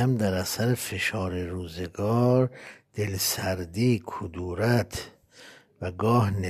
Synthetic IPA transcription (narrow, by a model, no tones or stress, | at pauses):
æmd̪æɾæsæɾefe̞ʃɒːɾeɾuːzeɡɒːɾd̪̥e̞lsæɾd̪iːkʰod̪uːɾæt̪ʰ | væɡɒːhne